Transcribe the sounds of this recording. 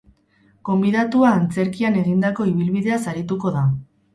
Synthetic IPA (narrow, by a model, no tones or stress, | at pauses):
ko̞mbiðat̪uaːnt͡se̞ɾkiane̞ɣind̪ako̞iβ̞ilβiðe̞asaɾit̪uko̞ða